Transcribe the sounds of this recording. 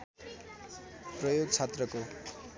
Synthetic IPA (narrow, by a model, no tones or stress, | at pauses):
prʌjoɡt͡sʰet̪rʌko